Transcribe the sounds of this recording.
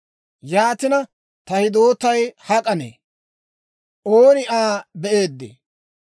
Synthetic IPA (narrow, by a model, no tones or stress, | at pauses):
jaːt̪ɪnɐ | t̪ɐhɪd̪o̞ːt̪ːɐjhɐkʼɐnḛː | ʔoːnɪʔaːbɛʔe̞ːd̪ːḛː